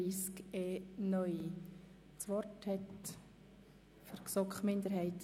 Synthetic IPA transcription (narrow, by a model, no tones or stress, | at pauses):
iːskeːnœʏi | t͡sʋɔrthɛt | fəɾksɔkχmɪnd̪əɾhɛɪt